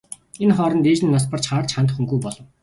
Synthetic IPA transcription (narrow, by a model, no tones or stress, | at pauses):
enχɔːɾɞ̆nt̪eːt͡ɕniːnɔspə̆rt͡ɕχaːrt͡ɕχant̪̆χuŋɡujpɔɮɞ̆w